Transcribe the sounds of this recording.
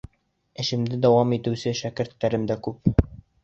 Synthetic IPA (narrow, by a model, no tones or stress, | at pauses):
ɘ̆ʃɘ̆md̪ɘd̪ɒwɑmit̪ɘ̆wsɘʃækɘ̆ɾt̪ːæɾɘmd̪ækʉp